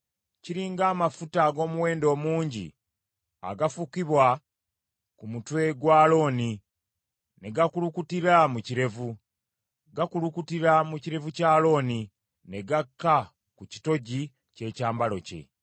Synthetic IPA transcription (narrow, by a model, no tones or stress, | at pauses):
ciɾiːŋɡaːmafutaɡo̞ːmuwe̞ːndo̞ːmuːɲɟḭ | a̰ɡafukiβwa | kumutwe̞ɡwaːlo̞ːni | ne̞ɡakulukutiɾamuciɾe̞vu | ɡakulukutiɾamuciɾe̞vucaːlo̞ːni | ne̞ɡakːa | kuci̥to̞ɟi | ce̞ːcaːmbalo̞̰ce̞̰